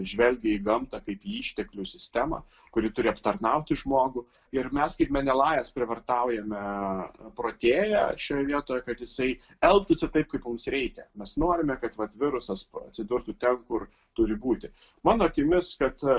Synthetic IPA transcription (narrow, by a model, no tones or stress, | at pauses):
ʒʲʋʲɛlʲɡʲɪiːɡɐmt̪ɑkɐɪpiːiːʃʲt̪ʲɛklʲʊsʲɪsʲt̪ʲæmɐ̰ | kʊɾʲɪt̪ʊɾʲɪɐpt̪ɐrnɐʊt̪ʲɪʒmoːɡʊ | ɪrmʲɛskɐɪpmʲɛnʲɛlˠɑːjɛspʲɾʲɪʋɐrt̪ɑʊjɛmʲɛpɾoːt̪ʲeːjæ̰ʃʲoːjɛʋʲiɛt̪oːjɛkɐt̪jɪsɐɪ | ɛlˠpt̪ʊt͡sʲsʲɛt̪ɐɪp̚kɐɪpmʊmsɾʲɛɪkʲɛmʲɛsnoːɾʲɪmʲɛkɐt̪ʋɐt̪ʋʲɪɾʊsɐsɐ̰t̪ʲsʲɪd̪ʊɾt̪ʊt̪ʲɛnkʊr | t̪ʊɾʲɪbuːt̪ʲɪ | mɑːnoːɐkʲɪmʲɪskɐt̪